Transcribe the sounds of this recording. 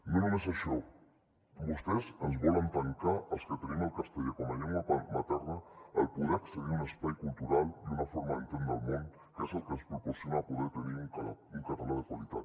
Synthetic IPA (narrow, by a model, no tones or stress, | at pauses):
nunomesaʃɔ | bust̪ezənzβɔlant̪aŋkaəlˠskət̪eniməlˠkast̪eʎekomaʎeŋaamat̪ɛɾna̰ːlˠpuðɾeɾkseɣiɾunəspajkulˠt̪uɾalˠd̪unafoɾmaent̪end̪a̰lˠmõn | kesalkənspɾupoɾsjonapuðeɾt̪eniɾuŋkuŋkaɾtanaðəkwalit̪at̪